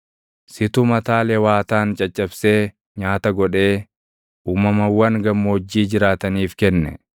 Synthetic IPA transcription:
sɪt̪ʊmɐt̪aːlɛwaːt̪aːnt͡ʃʼɐt͡ʃʼːɐbse̞ː | ɲaːt̪ɐɡɔᶑe̞ː | uːmɐmɐwɐŋɡɐmːoːd͡ʒːiːd͡ʒɪɾaːt̪ɐniːfkɛnːɛ̰

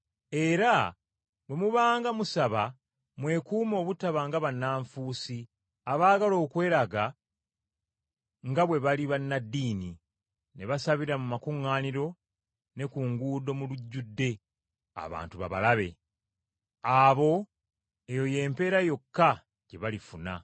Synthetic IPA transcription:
e̞ɾa | βwe̞muβaːŋɡamusaβa | mwe̞kuːmo̞ːβutaβaŋɡaβanːaːɱfuːsi | aβaːɡalo̞ːkwe̞ːɾaɡa | ŋɡaβwe̞βaliβanːadːiːni | ne̞βasaβiɾamumakuŋːaːniɾo̞ | ne̞kuŋɡuːdo̞muluɟːudːe̞ | a̰βa̰ːntuβa̰βa̰laβe̞̰ | aβo̞ | e̞jo̞je̞ːmpe̞ːɾajo̞kːa | ɟe̞βalifuna̰

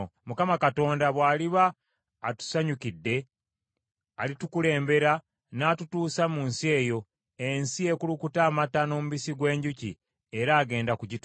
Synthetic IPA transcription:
mukamakato̞ːndaβwaːliβaː | tu̥saɲukidːe̞ | a̰litukule̞ːmbe̞ɾa | naːtutuːsamunsie̞ːjo̞ | ensie̞kulukutaːmatano̞ːmuβisiɡwe̞ːɲɟucḭ | eɾaːɡe̞ːndakuɟit

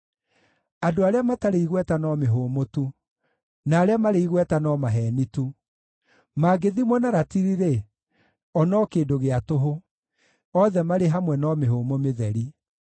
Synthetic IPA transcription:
adoaɾeamataɾeiɣwɛtanɔmeɦoːmotu | naːɾeamaɾeiɣwɛtanɔmaɦɛːnitu | maːɡeðimwɔnaɾatiɾiɾe | ɔnɔkeːdoɣeatoɦo | ɔðɛmaɾeɦamwɛnɔmeɦoːmomeðɛɾi

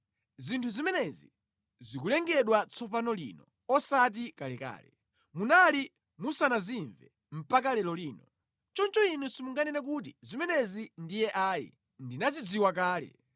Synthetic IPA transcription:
zintʰuzimɛnɛzḭ | zik̬ulɛŋɡɛɗwat͡sʰɔpanɔlḭːnɔ | ɔsat̬ikalɛka̰ːlɛ | munali | musanaziɱvɛ | m̩pakalɛlɔliːnɔ | t͡ʃɔnt͡ʃɔinusimuŋɡanɛnɛk̬ut̬izimɛnɛzindijɛʔaːjḭ | ndinazid͡ziwakaːlɛ̰

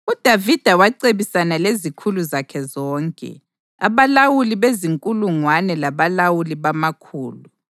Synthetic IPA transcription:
ud̥ʱavid̥ʱawaǀeβisanalezikʰuluzakʰɛzɔːŋkʼɛ̰ | a̰βalawuliβeziŋkʼuluŋwanɛlaβalawuliβamakʰuːlu

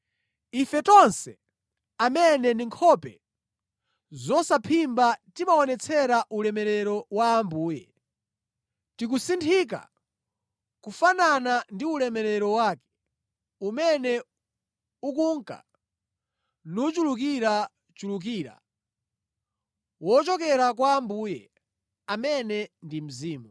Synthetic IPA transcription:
ifɛtɔnsɛ̰ | amɛnɛndiŋkʰɔpɛ̰ | zɔsapʰimbatimaɔnɛt͡sʰɛɾaʔulɛmɛɾɛɾɔwaːmbuːjɛ̰ | tik̬usintʰik̬a̰ | kufananandiulɛmɛɾɛɾɔwaːkɛ̥ | umɛnɛ | ukuŋka̰ | nut͡ʃuluk̬iɾa | t͡ʃuluk̬iːɾa̰ | wɔt͡ʃɔkɛɾak̬waːmbuːjɛ | amɛnɛndim̩ziːmu

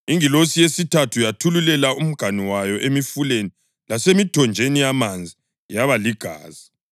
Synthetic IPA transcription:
iŋilosijesitʰatʰujatʰululɛlaʔum̩ɡ̥ʱaniwajɔʔemifuleni | lasemitɔnd͡ʒʱenijamand͡zʱi | jaβaliɡ̥ʱa̰ːz̥i̥

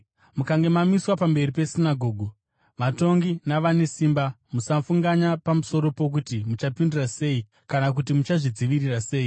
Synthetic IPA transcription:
mukaŋɡe̞mamiswapambe̞ripe̞sinaɡʱo̞ːɡʱu | ʋato̞ŋɡinaʋane̞siːmbamusafuŋɡaɲapamuso̞ɾo̞po̞k̬utimut͡ʃapindurase̞i | kanak̬ut̬imut͡ʃaʐid͡ziʋirirase̞ːi

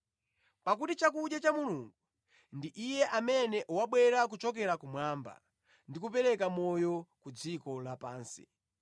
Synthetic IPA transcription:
pak̬utit͡ʃakuɗjat͡ʃamuluŋɡu | ndiʔijɛʔamɛnɛʔuwaɓwɛɾak̬ut͡ʃɔk̬ɛɾakumwaːmba̰ | ndik̬upɛɾɛkamɔjɔkud͡zikɔlapaːnsi̥̰

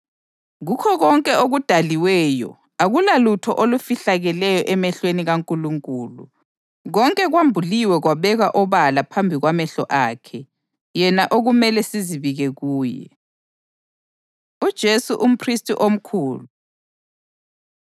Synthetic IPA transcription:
ɣukʰɔɣɔŋkʼɛoɣud̥ʱaliwɛːjɔ̰ | aɣulalutʰɔ̰ʔolufiɬaɣɛlɛjɔʔɛmɛɬweniɣaŋkʼuluŋkʼuːlṵ | ɣɔŋkʼɛɣwambʱuliwɛɣwaβɛɣaʔɔβalapʰambʱiɣwamɛɬɔʔaːkʰɛ | jɛnaʔoɣumɛlɛsiziβiɣɛɣuːjɛ̰ | ud̥ʒ̥ʱesuʔum̩pʰristʼḭʔom̩kʰuːlu

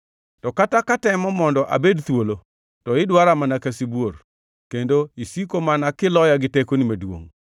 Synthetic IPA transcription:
tɔkatakatɛmɔmɔndɔʔa̰bedt̪wolo | tɔɪdwaɾamanakasibwor | kendoisikomanakɪlɔjaɡɪtekonimedwo̰ŋ

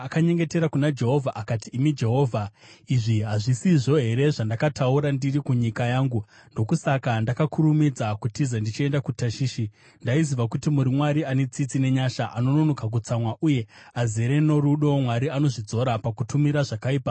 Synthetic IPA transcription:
akaɲe̞ŋɡe̞te̞ɾakunad͡ʒe̞ɦo̞vʱaʔakatiːmid͡ʒe̞ɦo̞ːvʱaiʐiɦaʐisiʐo̞ɦe̞ɾe̞ʐandakatauɾandirikuɲikajaːŋɡu | ndo̞kusakandakakuɾumid͡zakutizandit͡ʃie̞ndakutaʃiːʃi | ndaiziʋakutimuɾimwaɾiane̞t͡sit͡sine̞ɲaʃaʔano̞no̞no̞kak̬ut͡samwaʔuje̞azeɾe̞no̞ɾuɗo̞mwaɾiano̞ʐid͡zo̞ɾapakutumiɾaʐakaiːpa

